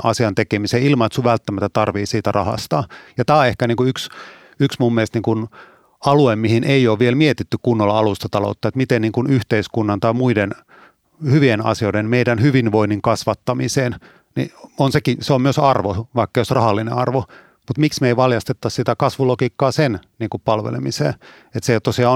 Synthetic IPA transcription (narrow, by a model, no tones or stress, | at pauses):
ʔɑ̰siɑnt̪ekemiseːilmɑet̪suʋʋælt̪ːæmæt̪ːæt̪ɑrʋiːsiːt̪ærɑhɑ̰st̪ɑjɑt̪æːehkæniːkuyks | yksmumːiest̪niːŋkun | ɑluemmihinʔeijoːʋʋielmiet̪it̪ːykkunːolːɑɑlust̪ɑt̪ɑlo̰ut̪ːɑet̪mit̪enniːŋkunyht̪eiskunːɑnt̪ɑimuiden | hyʋienɑ̰sioidenmeidænhyʋinʋoiniŋkɑsʋɑt̪ːɑmiseːn | nḭonsekiseommyøsɑrʋoʋɑikːɑjosrɑhɑlːinḛɑrʋo | mut̪miksmeiʋɑljɑst̪et̪ːɑssit̪ækɑsʋulokiːkːɑːsenniːŋkuppɑlʋḛlḛmisḛː | et̪set̪ːosiɑo